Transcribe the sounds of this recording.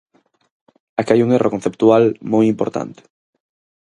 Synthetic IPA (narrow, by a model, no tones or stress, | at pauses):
akeajuŋerokon̟θept̪ualmojimpoɾt̪a̰nt̪e̥